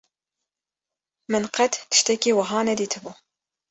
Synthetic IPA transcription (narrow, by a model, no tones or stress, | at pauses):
mɨnqɛt̪t̪ʰɨ̥ʃt̪ɛkiːwɨɦɑːnɛd̪iːt̪ʰɨbuː